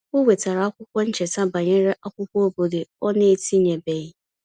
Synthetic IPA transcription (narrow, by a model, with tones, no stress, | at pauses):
wʊ˦we˨tʰa˨ɾa˨˦a˦kʷʊ˦kʷɔ˦ɲ̩˦t͡ɕʰɛ˨sã˦ba˨ɲɛ̃˦ɾɛ˦ʔa˦kʷʊ˦kɔ˦o˦bo˨de˨ɔ˦nɪ̃˦e˨tʰi˦ɲɛ̃˨bɛ˨j